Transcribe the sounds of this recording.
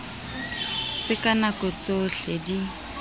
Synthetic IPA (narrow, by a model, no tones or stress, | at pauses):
sɪkʼanakɔt͡sʼoɬedi